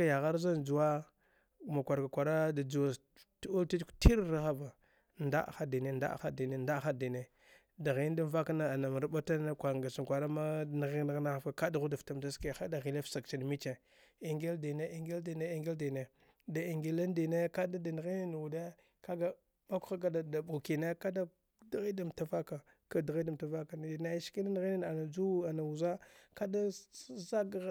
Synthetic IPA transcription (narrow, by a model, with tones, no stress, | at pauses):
ka˦ja˨ɣa˦ɾza˦nd͡ʒu˨wa˦ | ma˨kʷa˨ɾka˨kʷa˨ɾa˦da˨d͡zu˨wa˨ | tu˦lti˦t͡ʃkti˦ɾɾa˦xa˦va˨ | nda̰˦˨xa˦di˨ne˦nda̰˦xa̰˦di˨ne˦nda˦xa˦di˨ne˦ | da˨ɣi˨˦n˦da˦va˦ka˦na˦a˨na˨m˨ɾba˦ta˦na˦kʷa˨ɾŋɡa˨si˨ŋ˨kʷa˨ɾa˦ma˦na˦ɣi˦na˦ɣna˦a˦fka˨ka˦da˨ɣu˦da˨fta˦mda˦ska˦˨xa˦da˨ɣi˨le˦fsa˨k̚t͡ʃi˨n˨mi˦t͡ʃe˨ | i˨ŋɡe˦ldi˨ne˦i˦˨ŋɡe˦ldi˨ne˦i˨ŋɡe˦ldi˨ne˨ | da˨i˨ŋɡi˨la˦ndi˨ne˦ka˦da˦da˨n˨ɣi˦n˦n˨u˨de˦ | ka˦ɡa˨ | ma˦ku̥˦xa˦ka˦da˨da˨bu˨ki˨ne˦ka˦da˦ | dɣi˦da˨m˨ta˦fa˦ka˨ | ka˨˦da˨ɣi˦da˨m˨ta˨va˦ka˨na˦ʃki˦na˦n˦ɣi˦na˦na˨na˨d͡ʒu˦a˨na˨u˨za˦ka˦da˦za˦ɡɣ